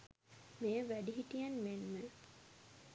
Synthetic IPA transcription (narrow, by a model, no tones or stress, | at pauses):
mejəʋæɖiɦiʈijanmenmə